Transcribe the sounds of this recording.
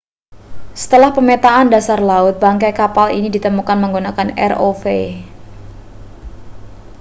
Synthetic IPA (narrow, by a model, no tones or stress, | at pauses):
sə̥t̪əlahpəmet̪aʔandasarlaʊt̪̚baŋkɛkapalḭnidit̪əmukanməŋɡunakanɛ̰rofe